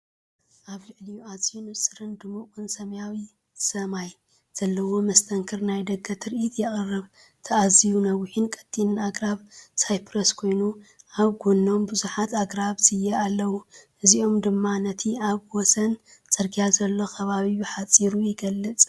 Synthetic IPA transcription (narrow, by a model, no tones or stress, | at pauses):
ʔaβlɨʕlijuazijunɨsʼɨɾɨnd̪ɨmukʼunsɐmɐjawi | sɐmaj | z̥ɐlːɐwo̞mɐst̪ʰɐŋkʰɨɾnajd̪ɐɡːɐt̪ʰɨɾʔit̪jɛχʼɐrːɨβ | t̪ʰɐazijunɐwɪħɨnkʼɐ̥t̪ʼːinɨnaɡɾaβsajpɾɐskʰo̞jnuʔaβɡonːo̞mbɨzuħat̪aɡɾaβzɨjɐalːɐwuʔɨziʔo̞md̪ɨmːanɐt̪ʰiaβwosɐnt͡sʼɐɾɡijazɐlːo̞kʰɐβaβiuħat͡sʼiɾujɪɡɐlːɨt͡sʼ